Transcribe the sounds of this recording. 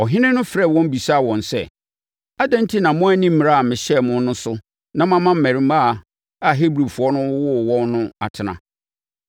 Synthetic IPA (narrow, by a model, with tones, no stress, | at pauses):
ɔ˨ɦɪ̃˦nɪ̃˦nʊ̃˦fɾɛ˦˨wɔ̃˦m˦bi˨sa˦˨wɔ̃˨nsɛ̰˨ | a˦dæ̃˦n˦tʰi˦nã˨mʊ̃˦æ˦nĩ˦m̩˦mĩ˨a˦˨a˨mɪ̃˨ɕɛ˦˨mʊ̃˦n˦nʊ̃˦sʊ˦ | nã˦mã˦mã˦m̩˨mæ̃˨ɾĩ˨ma˦˨ | a˨ɦe˦bɾi˨fu˨ɔ˦nʊ̃˦wʊ˦˨wɔ̃˦nːʊ̃˦a˨tʰɪ˨nã̰˨